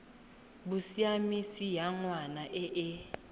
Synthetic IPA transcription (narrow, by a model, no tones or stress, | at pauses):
busiamisijaŋwanaʔɛʔɛ